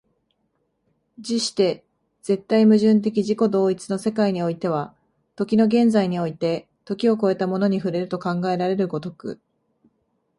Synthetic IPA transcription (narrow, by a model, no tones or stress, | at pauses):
d͡ʑiɕi̥t̪e̞ | z̥e̞t̪ːaimɯ̟ʑɨ̃nt̪̬e̞k̬ʲiʑiko̞d̪o̞ːit͡sɨno̞se̞kaiɲ̟io̞it̪e̞β̞a | t̪o̞kʲino̞ɡẽ̞nd͡zaiɲ̟io̞it̪e̞ | t̪o̞kʲio̞ko̞e̞t̪amo̞no̞ɲ̟iɸɯ̟ɾe̞ɾɯ̟t̪o̞kãŋɡae̞ɾaɾe̞ɾɯ̟ɡo̞t̪o̞kɯ̟̰